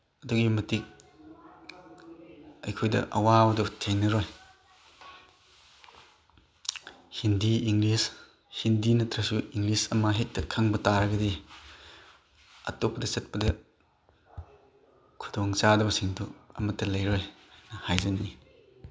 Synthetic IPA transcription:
ɐduɡimɐtik̚ | ɐjkʰojdɐ̰ʔɐ̰waɐdutʰeŋnɐɾɔj | hindiiŋlis | hindinɐtɾɐsuiŋlisɐmaɦek̚tɐkʰaŋbɐtaɾɐɡɐdi | ɐ̰topːɐdɐsɐt̚pɐdɐ | kʰu̥dɔŋt͡ʃadɐbɐsiŋduɐ̰mɐtːɐlɐjɾɔjnɐhajzɐni

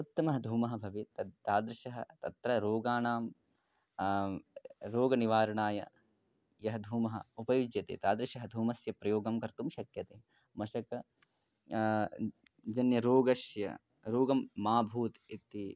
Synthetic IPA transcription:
ut̪ːɐmɐɦɐd̪ʱuːmɐɦɐbʱɐʋit̪ɐt̪aːd̪ɾɪʃɐɦɐt̪ɐt̪ɾɐɾoːɡaːnaːm | ɾoːɡɐniʋaːɾɐɳaːjɐ̰ | jɐɦɐd̪ʱuːmɐɦɐ̰upɐjud͡ʒjɐt̪ḛːt̪aːd̪ɾɪʃɐɦɐd̪ʱuːmɐsjɐpɾɐjoːɡɐmkɐɾt̪umʃɐkjɐt̪eː | mɐʃɐkɐ | d͡ʒɐnjɐɾoːɡɐsjɐ̰ | ɾoːɡɐmːaːbʱuːt̪it̪i

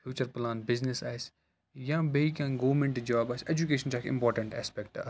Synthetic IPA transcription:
fjuːt͡ʃəɾplãːn̚bɪznɪsaːs | jãbeikãːɡoʋɾmẽɳʈd͡ʒaːbaːseːd͡ʒukeːʃənt͡ʃaːkʰɪ̰̃mpɔːɾʈə̃ɳʈɛ̰ːspɛkʈa̰

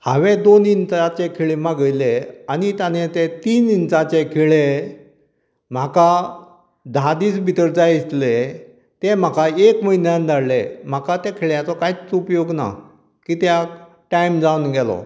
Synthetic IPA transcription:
haʋed̪onint͡sat͡ɕekʰeɭemaɡəjleanit̪janet̪et̪iːnint͡sãt͡ɕekʰeɭe | m̤aka | d̪ʱad̪iːsbʱit̪əɾd͡zajit̪le | t̪em̤akaekməɦinjãnd̪ʱaɭlem̤akat̪ẽkʰeɭjat͡sɔkait͡supjoɡna̰ | kiːt̪ja | ʈajmd͡zaunɡɛlɔ̰

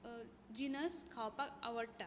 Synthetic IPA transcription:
d͡ʑinəskʰawpakaʋəɽʈa

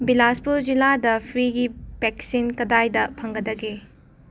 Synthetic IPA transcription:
bilaspuɾd͡ʒiladɐpʰɾiɡib̥eksinkɐdajdɐpʰɐŋɡɐdɐɡe

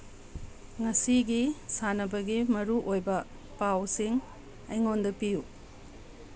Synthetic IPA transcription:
ŋɐsiɡisanɐbɐɡimɐɾuʔojbɐ | pawsiŋ | ɐjŋondɐpiju

